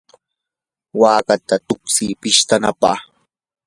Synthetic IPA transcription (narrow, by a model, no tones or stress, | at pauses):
waːkat̪at̪ʊksipɪʃt̪anapa̰χ